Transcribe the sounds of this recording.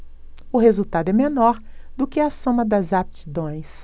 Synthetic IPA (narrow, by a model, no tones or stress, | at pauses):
ʊɦezuwt̪ad̪ʊɛmenɔɾ | d̪ʊkɪɐsõmɐd̪ɐzap̚t͡ʃid̪õj̃s